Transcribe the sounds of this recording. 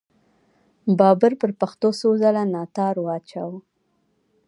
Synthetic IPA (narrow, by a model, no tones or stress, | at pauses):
bɑbəɾpəɾpaxt̪osozalanɑt̪ɑɾwɑt͡ʃaw